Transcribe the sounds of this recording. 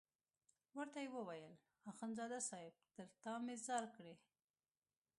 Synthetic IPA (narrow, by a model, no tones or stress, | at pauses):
wəɾt̪ajewəwajəl | ɑxənzɑd̪asɑjɪb̚t̪əɾt̪ɑmezɑɾkɽe